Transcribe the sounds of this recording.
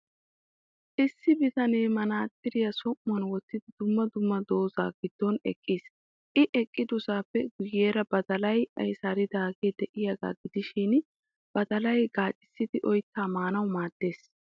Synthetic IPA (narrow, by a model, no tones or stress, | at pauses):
ʔɪsːɪbɪt̪ɐneːmɐnaːt̪ʼːɪɾɪjɐsɔmːɔnwɔt̪ːɪd̪ɪd̪ʊmːɐd̪ʊmːɐd̪o̞ːza̰ːɡɪd̪̥ːɔnɛ̰kʼːis | ʔɪʔɛkʼːɪd̪ʊsaːpːɛɡ̥ʊjːeːɾɐbɐd̪ɐlɐjɐ̰jsaɾɪd̪aːɡeːd̪ɛʔɪjɐɡa̰ːɡɪd̪ɪʃin | b̥ɐd̪ɐlɐjɡaːt͡ʃʼːɪ̥sːɪd̪ɪʔɔjt̪ːaːmaːnɐwmaːd̪̥ːe̞ːs